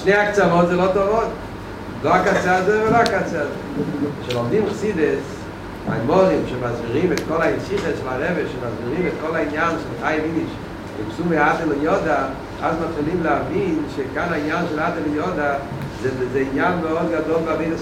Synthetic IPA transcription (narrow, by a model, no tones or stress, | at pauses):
ʃneɪakt͡samɔtzelɔtɔvɔt | loakat͡seazoɪvɪloakat͡sɛazoɪʃɛlɔmdimχsidɛs | a̰jmɔʁimʃɛmazbiʁimɛt̪kɔlˠainʃiχəsʃɪlaɾɛvɛʃɪmazbiʁimɛt̪kɔlaɪnjanʃɪmɪχajɪviniʃ | ɪ̰mpsumeadɪlɪjɔda | a̰zmatχilˠimlɪavinʃekanainjanʃɪladəlɪjɔda | zɛvzeɪnjanveɔtɡadɔlˠvameɪdə